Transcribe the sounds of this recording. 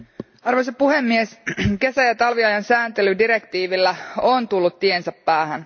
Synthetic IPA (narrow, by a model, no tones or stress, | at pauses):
ɑrʋojsɑpuhe̞mːie̞ske̞sæjɑt̪ɑlʋiɑjɑnsæːnt̪elydiɾe̞kt̪iːʋilːæont̪ulːut̪tie̞nsæpːæːhæn